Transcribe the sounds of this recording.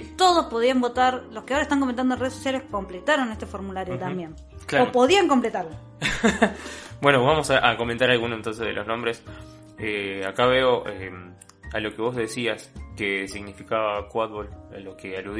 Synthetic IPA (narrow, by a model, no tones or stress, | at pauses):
t̪o̞ð̞o̞spo̞ð̞iambo̞t̪aɾlo̞hkeaoɾaest̪aŋkomẽnt̪and̪onreesosjalesko̞mplet̪aɾo̞ne̞st̪e̞fo̞ɾmulaɾjot̪ambje̞n | klaopo̞ðiaŋko̞mplet̪aɾlo | bwe̞noβamo̞saʔako̞ment̪aɾalɣunoent̪o̞ns̬eðḛlo̞̰znõ̞mbɾes | eakaβeoʔem | alo̞keβo̞zðesiaskesiɣnifikaβakwat̪̚βolalo̞kealuð